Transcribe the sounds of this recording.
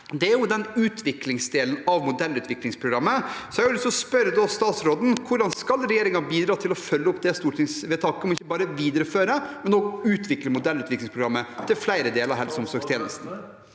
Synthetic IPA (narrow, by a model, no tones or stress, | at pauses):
d̪ɛæɾjʊd̪ɛnʉːt̪ʰʋɪklɪŋsd̪eːln̩ɑʋmʊd̪ɛlːʉːt̪ʰʋɪklɪŋspʰɾʊɡɾɑmːəsɔæɾjʊlɪst̪ɔspœɾəd̪ɔst̪ɑːt̪sɾoːd̪n̩kʰʊɖɑnskɑlɾɛjeːɾɪŋɑbiːd̪ɾɑːt̪ʰɪlɔfœlːəɔpd̪ɛst̪uːʈʰɪŋsʋɛt̪ʰɑkːəmɔɪçːəbɑːɾəʋiːd̪əɾəføːɾəmɛnɔɡʉːt̪ʰʋɪkləmʊd̪ɛlːʉːt̪ʋɪklɪŋspʰɾʊɡɾɑmːət̪ʰɪlflæɪɾəd̪eːlɾɑɾɦɛlsɔmsɔːkst̪ʰjeːnəlsn̩